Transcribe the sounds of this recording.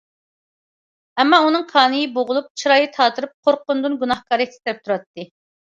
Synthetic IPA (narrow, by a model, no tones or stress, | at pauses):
ɛmːɑunɨŋqʰɑːnɨjiboʁʊlˠup̚t͡ʃʰiɾɑːjit̪ʰɑːt̪ʰɨɾɨp̚qʰoɾqʊnd̪ɨnɡunɑhkɑːɾɛkʲʰst̪ɾɛp̚t̪ʰuɾɑt̪ːɨ